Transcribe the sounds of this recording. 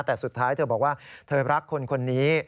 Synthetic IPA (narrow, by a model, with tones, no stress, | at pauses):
t̪ɛː˨˩su˨˩t̪ʰːaː˦˥jt̪ʰɤː˧bɔː˨˩k̚waː˥˩t̪ʰɤː˧ɾa˦˥kʰːo˧nkʰo˧nːiː˦˥